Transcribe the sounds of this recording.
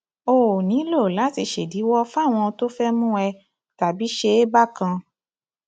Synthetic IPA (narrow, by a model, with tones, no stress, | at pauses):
o˨nĩ˨˦lo˦˨la˨˦ti˧˨ʃe˨di˨˦wɔ˦fa˦˨w̃ɔ̃˧to˦fɛ˦mũ˦ɛ˧ | ta˨bi˨˦ʃe˧e˦ba˦kã˧